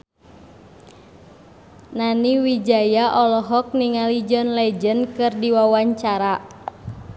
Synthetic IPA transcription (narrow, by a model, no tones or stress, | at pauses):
naniwid͡ʒajaʔɔlɔɦɔk̚niŋalid͡ʒɔnlɛd͡ʒənkɨrdiwawaɲt͡ʃaɾa